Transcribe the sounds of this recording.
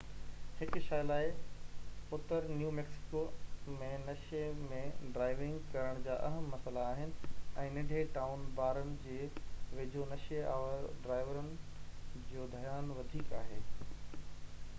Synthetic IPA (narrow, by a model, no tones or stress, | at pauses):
hɪkʃaːjlaːɪ | ʊt̪əɾnjuːmeːksɪ̥koːmẽnɐʃemẽɖɾaːɪʋɪ̃ŋɡkɐɾəɽ̃d͡ʑaːʔɐɦəmːɐsəlaːɦɪnɪ̆ɛ̃ːnɪɖʱeʈaːʊnbaːɾənɪ̆d͡ʑeːʋɪd͡ʑʱonɐʃea̰ːəɾɖɾaːɪʋəɾənɪ̆d͡ʑoːd̪ʱɐjaːnʋɐd̪ʱiːkaːɦeː